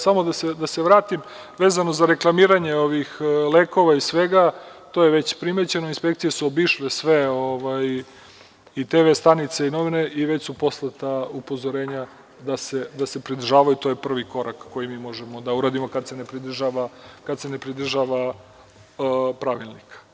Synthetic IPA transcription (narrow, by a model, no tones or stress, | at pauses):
samo̞d̪ase̞d̪aseʋɾaːt̪im | ʋe̞ːzano̞zaɾe̞klˠamiːɾaɲe̞o̞ʋixleːko̞ʋaisʋe̞ɡat̪ojeʋet͡ɕpɾime̞t͡ɕe̞noinspe̞kt̪sijesuobiʃlesʋe̞oʋaj | it̪eːʋest̪anit̪seino̞ʋineʔiʋe̞t͡ɕsupo̞slˠat̪aupo̞zo̞ɾeːɲa | d̪ase̞d̪ase̞pɾid̪r̩ʒaːʋajut̪o̞ːjepr̩ʋiko̞ɾakːo̞jimiːmo̞ʒemo̞d̪auɾaːd̪imo̞kad̪se̞nepɾid̪r̩ʒaʋakad̪sene̞pɾid̪r̩ʒaʋa | pɾaʋilˠnikḁ